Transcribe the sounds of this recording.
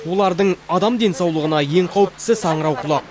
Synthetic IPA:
wo̞lˠɑɾd̪əɴɑd̪ɑmd̪e̞nsɑwlˠəʁənɑje̞ŋqʰɑwəp̚t̪ɪ̥sɪsɑɴəɾɑwqʰʊlˠɑq

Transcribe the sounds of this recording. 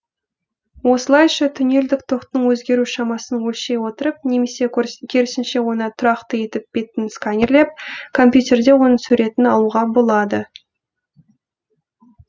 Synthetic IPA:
wo̞səlˠɑjʃɑt̪ʰʏne̞ld̪ɪk̚t̪ʰo̞qt̪əɴwɵzɡʲe̞ɾuʃɑmɑsənwɵlʃe̞jwo̞t̪əɾəp̚ne̞me̞se̞kʲʰeɾɪsɪnʃe̞wo̞nət̪ʰʊɾɑqt̪əje̞t̪ɪp̚be̞t̪ɪnskanʲerlep̚kʰo̞mpjut̪ʲe̞rd̪e̞wo̞nəsʉɾe̞t̪ɪnɑlˠuʁɑbo̞lˠɑd̪ə

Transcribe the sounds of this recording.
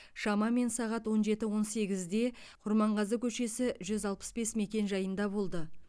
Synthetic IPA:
ʃɑmɑme̞nsɑʁɑt̪wo̞nʒe̞t̪ɪwo̞nse̞ɡʲɪzd̪e̞ | qʰʊɾmɑɴʁɑzəkʲʰɵʃe̞sɪʒʏzɑlˠpə̥sbe̞sme̞kʲe̞nʒɑjənd̪ɑbo̞lˠd̪ə

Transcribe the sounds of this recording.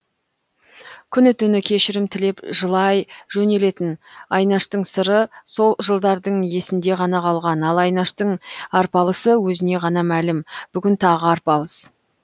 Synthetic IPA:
kʲʰʏnɪt̪ʰʏnɪkʲʰe̞ʃɪɾɪmt̪ʰɪle̞pʒəlˠɑjʒ̥ɵne̞le̞t̪ɪnɑjnɑʃt̪əɴsəɾəso̞lˠʒəlˠd̪ɑɾd̪əɴje̞sɪnd̪e̞ʁɑnɑqʰɑlˠʁɑnɑlˠɑjnɑʃt̪əɴɑɾpɑlˠəsəwɵzɪne̞ʁɑnɑmælɪmb̥ʏɡʲɪnt̪ʰɑʁəɑɾpɑlˠəs

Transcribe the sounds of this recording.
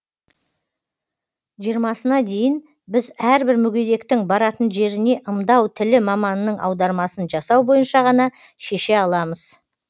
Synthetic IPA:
ʒijəɾmɑsənɑd̪e̞jɪn | bɪzæɾbɪɾmʏɡʲejd̪e̞kt̪ɪŋbɑɾɑt̪ənʒe̞ɾɪne̞ʔəmd̪ɑwt̪ʰɪlɪmɑmɑnːəɴʔɑ̰wd̪ɑɾmɑsənʒɑsɑwbo̞jənʃɑʁɑnɑ | ʃe̞ʃe̞ɑlˠɑməz̥

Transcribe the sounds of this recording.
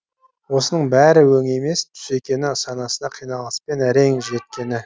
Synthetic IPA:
wo̞sənəɴbæɾɪwɵŋe̞me̞st̪ʰʏ̥se̞kʲe̞nɪsɑnɑsənɑqʰijnɑlˠəspe̞næɾe̞ŋʒe̞t̪̚kʲe̞nɪ

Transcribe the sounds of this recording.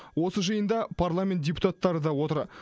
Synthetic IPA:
wo̞səʒəjənd̪ɑpʰarlˠamʲe̞nt̪̚dʲepu̥t̪at̪ːɑɾəd̪ɑwo̞t̪əɾ

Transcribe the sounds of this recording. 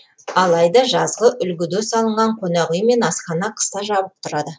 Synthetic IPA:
ɑlˠɑjd̪ɑʒɑzʁəʔʏlɡʲɪd̪esɑlˠəɴʁɑɴqʰonɑʁujəme̞nɑsqɑnɑqʰə̥st̪ɑʒɑbəp̚t̪ʰʊɾɑd̪ə

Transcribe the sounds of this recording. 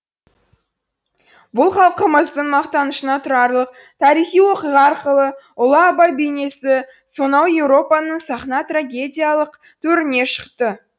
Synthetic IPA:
bʊlˠχɑlˠqəməzd̪əɴmɑqt̪ɑnəʃənɑt̪ʰʊɾɑɾlˠəq̚t̪ʰɑɾijχijwo̞qijʁɑɑɾqəlˠə | ʊlˠɑːbɑjbejne̞sɪ | so̞nɑwje̞wɾo̞pɑnəɴsɑχnɑt̪raɡʲe̞dʲijalˠəq | t̪ʰɵɾɪne̞ʃə̥qt̪ə

